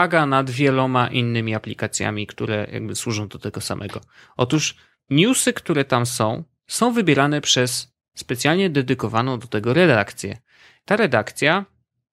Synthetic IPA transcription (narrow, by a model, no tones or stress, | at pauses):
aɡanad̪vʲjɛlɔmaʔinːɘmʲiaplʲikat̪sʲja̰mʲikt̪uɾɛja̰ɡ̚bɘswuʐɔ̃w̃d̪ɔt̪ɛɡɔsa̰mʔɛ̰ɡɔ | ʔɔt̪uʂ | ɲusɘkt̪uɾɛt̪amsɔ̃w̃ | sɔ̃w̃vɘbʲjɛɾanɛpʂɛsː | pɛt̪sʲjalɲɛd̪ɛd̪ɘkɔvanɔ̃w̃d̪ɔt̪ɛɡɔɾɛd̪akt̪sʲjɛ̰ | t̪aɾɛd̪akt̪sʲja